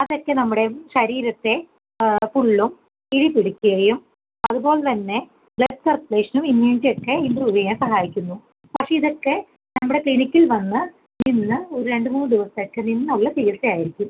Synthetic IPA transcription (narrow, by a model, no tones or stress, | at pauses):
ɐðokːe̞nɐmːuɽe̞ʂɐɾiːɾɐt̪ːe̞ | puɭːum | iɽipiɽikʲːuɣɐjum | ɐðupo̞ːɭt̪ɐnːe̞ | bɭesɐrpleːʂɐnuminːendijokːe̞imbruːʋɐjaːmsɐɦaːjikʲːunːu | pɐkʂe̞iðo̞kːe̞ | nɐmːuɽe̞kinikʲːilʋɐnːɨ | ninːɨo̞ɾuɾe̞ɳɖɨmuːnːɨɖiʋɐsɐkːeninːɨuɭːɐt̪iɣɐsɐjaːjiɾikʲːum